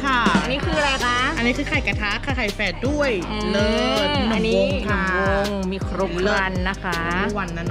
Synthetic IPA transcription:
kʰa˥˩ʔa˧nːiː˦˥kʰɯː˧ɾa˧kʰaː˦˥ʔa˧nːiː˦˥kʰɯː˧˩kʰa˨˩jka˧˩t̪ʰa˦˥kʰːaː˧˥˩kʰa˨˩jfɛː˧˩du˥˩əj | lɤː˧˩t̪̚nɔ˨˧˩wo˧ŋnɔ˨˩ŋwo˧ŋmiː˧kʰɾu˦˥p̚lɯ˧˩a˧nːa˦˥kʰa˦˥˦wa˧nːa˦˧˩n˧

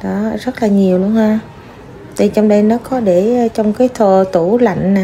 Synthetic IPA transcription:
ɗɔ˨˦zə˦˥t̚laː˨˩ɲi˨˩əwlu˧ənhaː˧ | t̪ʰi˨˩t͡ɕɔ˧wŋ͡mɗe˧jnɔ˨˦kɔ˨˦ɗe˧˩˨t͡ɕɔ˧wŋ͡mkaː˨˦jt̪ʰo˧˩t̪u˧˩la̰˧˨jŋ̟naː˨˩

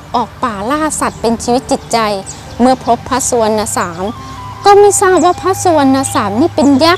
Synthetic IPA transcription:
ʔɔː˨˩k̚paː˨˩laː˥˩sa˨˩t̪̚pe˧nt͡ɕʰiː˧wi˦˥t̪̚t͡ɕi˨˩t̪̚t͡ɕa˧j | mɯ˧˩ɐpʰo˦˥pʰːa˦˥su˧ənːa˧saː˩˦m | kɔː˧˥˩miː˧˥˨saː˥˩w̚waː˧˥˩pʰa˦˥su˧ənːa˧saː˩˦mniː˥˩pe˧nja˦˥

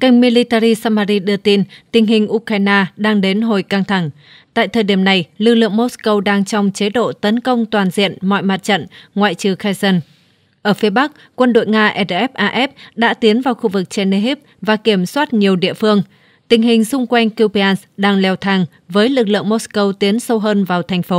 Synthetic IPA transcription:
ka˧˩jŋ̟mi˧li˧t̪a˧ɾi˧saː˧maː˧ɾi˧ɗɨ˧ət̪i˧nt̪ï˨˩ŋ̟ɦï˨˩ŋ̟ʔu˧kaː˧jnaː˧ɗaː˧ŋɗe˨˦nɦo˨˩jka˧ŋt̪ʰa˧˩ŋ | t̪a̰ː˧˨jt̪ʰəː˨˩jɗi˧˩əmna˨˩jlɨ˨˩k̚lɨ̰˧˨əŋmo˦˥skə˧wɗaː˧ŋt͡ɕɔ˧wŋ͡mt͡ɕe˨˦ɗo̰˧˨t̪ə˨˦nkə˧wŋ͡mt̪waː˨˩nzḭ˧˨ənmɔ̰˧˨jma˨˩t̚t͡ɕə̰˧˨nŋwa̰ː˧˨jt͡ɕɨ˨˩xaː˧jzə˧n | ʔəː˧˩fi˨˦əɓa˦˥k̚kːwə˧nɗo̰˧˨jŋaː˧ʔɛ˧˥tʔɛ˦˥p̚ʔaː˧ʔɛ˦˥p̚ɗa̰ː˧˥t̪i˨˦ənvaː˨˩wxu˧vɨ˨˩k̚t͡ɕɛ˧ne˧ɦi˦˥p̚vaː˨˩ke˧˩əmswaː˦˥t̚ɲi˨˩əwɗḭ˧˨əfɨ˧əŋ | t̪ï˨˩ŋ̟ɦï˨˩ŋ̟sʊ˧ŋ͡mkwa˧jŋ̟ki˧wpa˧nsɗaː˧ŋlɛ˧wt̪ʰaː˧˩ŋ | vəː˨˦jlɨ˨˩k̚lɨ̰˧˨əŋmo˦˥skə˧wt̪i˨˦ənsə˧wɦəː˧nvaː˨˩wt̪ʰɛ˨˩jŋ̟fo˨˦

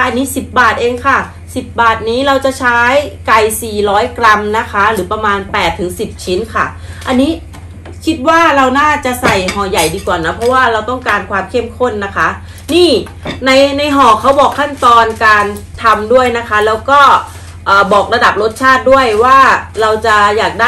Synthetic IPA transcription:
ʔa˧nːiː˦˥si˨˩p̚baː˨˩t̪̚ʔeː˧ŋkʰa˥˩ | si˨˩p̚baː˨˩t̪̚niː˦˥ɾa˧wt͡ɕa˨˩t͡ɕʰaː˦˥jka˧jsiː˨˩ɾɔː˦˥jkɾa˧mna˦˥kʰa˦˥ɾɯː˩˦pa˧maː˧npɛː˨˩t̪ʰːɯ˩˦ŋsi˨˩p̚t͡ɕʰi˦˥nkʰa˥˩ | ʔa˧nːiː˦˥ | kʰi˦˥t̪̚waː˥˩ɾa˧wnaː˥˩t͡ɕa˨˩sa˨˩jɦɔː˨˩ja˨˩jdiː˧kwaː˨˩na˦˥pʰɔ˦˥waː˥˩ɾa˧wt̪ɔ˥˩ŋkaː˧nkʰwaː˧mkʰe˥˩mkʰo˥˩nːa˦˥kʰa˦˥ | niː˥˩ | na˧jna˧jɦɔː˨˩kʰːa˦˥wbɔː˨˩kʰːa˥˩nt̪ɔː˧nkaː˧nt̪ʰa˧mdu˥˩əjna˦˥kʰa˦˥lɛː˦˥wkɔː˥˩ | ʔɤː˨˩bɔː˨˩k̚ɾa˧da˨˩p̚ɾo˦˥t̪̚t͡ɕʰaː˥˩t̪̚du˥˩əjwaː˥˩ɾa˧wt͡ɕa˨˩jaː˨˩k̚daː˥

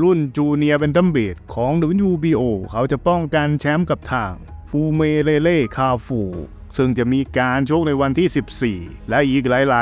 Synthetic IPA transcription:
ɾu˥˩nt͡ɕuː˧ni˧ɐp̬e˧nt̪ʰa˧˥˩mbeː˨˩t̪̚kʰɔː˩˦ŋnɯː˩˦˥njuː˧biː˧ʔoː˧kʰa˦˥˩wt͡ɕa˨˩ʔpɔ˥˩ŋka˧nt͡ɕʰɛ˦˥mka˨˩p̚t̪ʰaː˨˩ŋfuː˧meː˧leː˧leː˥˩kʰaː˧fuː˨˩ | sɯ˧˩ŋt͡ɕa˨˩ʔmiː˧kaː˧nt͡ɕʰu˥˩ək̚na˧jwa˧nt̪ʰiː˥˩si˨˩p̚siː˨˩lɛ˦˥ʔiː˨˩k̚laː˨˩˦jlaː˨˦

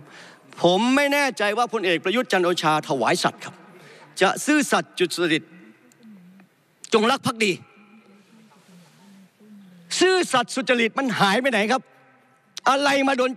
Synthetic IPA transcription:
pʰo˩˦mːa˥˩jnɛː˥˩t͡ɕa˧jwaː˥˩pʰo˧nʔeː˨k̚pɾa˧ju˦˥t̪̚t͡ɕa˧nʔoː˧t͡ɕʰaː˧t̪ʰa˧wa̰ː˩˦jsa̰˨˩t̪̚kʰa˦˥p̚t͡ɕa˨˩sɯː˥˩sa˨˩t̪̚t͡ɕu˨˩t̪̚su˨˩t̪̚sa˧li˨˩t̪̚ | t͡ɕo˧ŋɾa˦˥k̚pʰːa˦˥k̚diː˧ | sɯː˥˩sa˨˩t̪̚su˨˩t̪̚t͡ɕːa˧li˨˩t̪̚ma˧nɦaː˨˩˦jpa˧jna˩˦jkʰp̚ | ʔa˧ɾa˧jmaː˧doː˧n

